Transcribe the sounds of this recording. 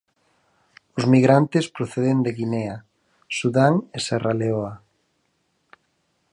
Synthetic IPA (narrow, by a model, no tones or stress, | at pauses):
ʊzmiɣɾant̪espɾoθeðend̪eɣinea | suðaŋeseraleoa